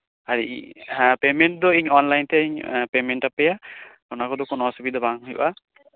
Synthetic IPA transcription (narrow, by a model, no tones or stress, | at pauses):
aɾḭʔpemeɳʈ̚d̪ɔiɲɔnlajnt̪ɛaiɲpemeɳʈapɛjakɔnakɔd̪ɔkɔnɔsubid̪ɔbaŋɦujṵʔa